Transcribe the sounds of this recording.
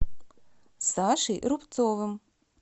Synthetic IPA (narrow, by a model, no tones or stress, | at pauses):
saːʃiʔɾupt̪soːvɨm